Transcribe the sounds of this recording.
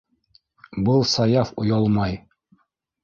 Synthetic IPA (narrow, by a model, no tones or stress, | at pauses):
bɤlˠsɑjɑfŏjɑlˠmɑj